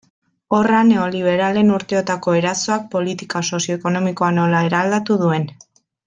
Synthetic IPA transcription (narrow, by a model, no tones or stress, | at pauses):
o̞rane̞o̞liβ̞e̞ɾale̞nuɾt̪e̞o̞t̪ako̞e̞ɾaso̞ak̚po̞lit̪ikaso̞sio̞eko̞no̞miko̞ano̞lae̞ɾald̪at̪uð̞ue̞n